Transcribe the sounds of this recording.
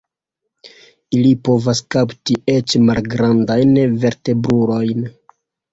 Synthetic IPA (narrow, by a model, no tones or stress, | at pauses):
ilipo̞vaskaptie̞t͡ʃmalɡɾandajnve̞ɾte̞bɾulo̞jn